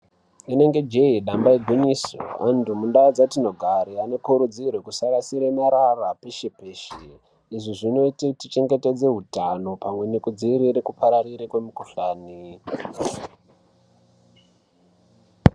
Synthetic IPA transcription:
ine̞ŋɡe̞d͡ʒeiɗambaiɡʱiniso̰a̰ntumundaod͡zatino̞ɡʱaɾiane̞kuɾud͡zirwe̞kusaɾasiɾemaɾarapeʃepeːʃi | iʐiʐino̞ititit͡ʃe̞ŋɡe̞te̞d͡ze̞ɦutano̞pamwe̞nekud͡ziːɾiɾekupʰaɾariɾekwe̞mukuɬaːni

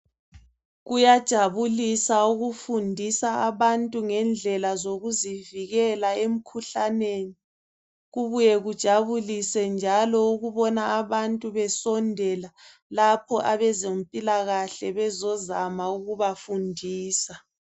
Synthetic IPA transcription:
ɣujad̥ʒ̥ʱaβulisauɣufundʱisaːβantʼuŋɛnd͡ɮʱɛlazoɣuziviɣɛlaem̩kʰuɬaneːni | ɣuβujɛɣud̥ʒ̥ʱaβulisɛnd͡ʒʱalɔuɣuβɔnaːβantʼuβɛsɔndʱɛla | lapʰɔʔaβɛzempʼilaɣaɬɛβɛzɔzamauɣuβafundʱiːsa

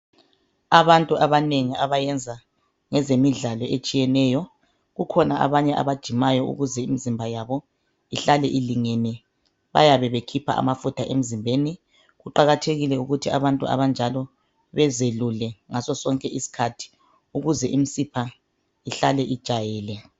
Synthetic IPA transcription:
aβantʼuʔaβaneŋiaβajɛnd͡zʱa | ŋɛzemiɮalɔʔet͡ʃʼijɛnɛːjɔ | ɣukʰɔnaʔa̰βaɲɛʔa̰βad̥ʒ̥ʱimajɔṵɣuzɛimizimbʱajaβɔ | iɬalɛʔiliŋenɛ | βa̰jaβɛβekʰipʰa̰ʔa̰mafutʰaʔem̩zimbʱeni | ɣuǃaɣatʰeɣilɛuɣutʰia̰βantʼua̰βand͡ʒʱalɔ | βɛzelulɛŋasɔsɔŋkʼɛisi̥kʰatʰi̥ | uɣuzɛʔim̩sipʰa | iɬalɛʔid̥ʒ̥ʱajɛːlɛ

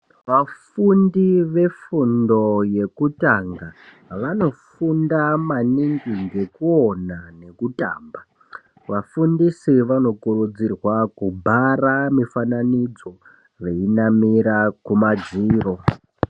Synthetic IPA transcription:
ʋafundiʋe̞fundo̞je̞kutaŋɡa | ʋano̞fundamaniŋɡiŋɡe̞kuo̞nane̞kuta̰ːmba | ʋafundisiʋano̞kurud͡zirwakubʱaramifananid͡zo̞ | ʋe̞inamiɾakumad͡ziːro̞

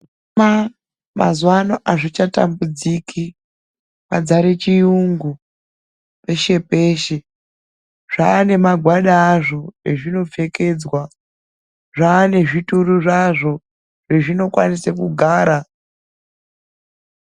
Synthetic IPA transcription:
ma | ma̰zwanoʔaʐit͡ʃata̰mbud͡zikʰi | mad͡zaɾet͡ʃijuŋɡu | pe̞ʃe̞pe̞ːʃe | ʐ̥aːne̞maɡʱwaɗaːʐo̞reʐino̞ve̞ke̞ːd͡zwa | ʐaːne̞ʐituruʐaʐo̞ | ʐeʐino̞kwa̰nisekuɡʱaːɾa

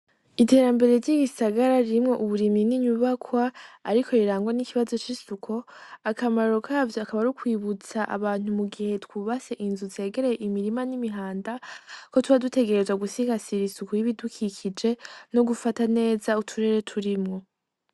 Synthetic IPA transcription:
ite̞ːɾambe̞ɾe̞ɾɟiːɡisaɡaɾaɾiɾimŋo̞ʔuβuɾiminiɲuβakwaːɾikʰo̞iɾaːŋɡwanikiβazot͡ʃisukʰo̞akamaɾokʰavakaβaɾukwiːβut͡saʔa̰βaːn̥umuɡihe̞tkuβase̞ʔinzuze̞ːɡe̞ɾe̞jeʔimiɾimanimiɦaːndako̞tuβadute̞ɡe̞ɾe̞zwaɡusiɡasiɾisukoiβidukʰikʰid͡ʒe̞no̞ɡufatane̞ːzautʰuɾe̞ɾe̞tʰuɾimŋo̞

